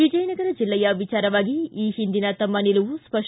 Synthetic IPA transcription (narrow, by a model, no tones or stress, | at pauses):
ʋid͡ʒɐjɐnɐɡɐɾɐd͡ʒilːɐjɐʋit͡ʃaːɾɐʋaːɡiiːhind̪inɐt̪ɐmːɐniluʋuspɐʂ